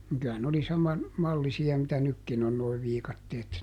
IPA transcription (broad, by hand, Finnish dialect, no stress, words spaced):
niŋ kyæ ne oli sɑmɑn mɑlːisiɑ mitæ nykːin on noi ʋiːkɑtːeːt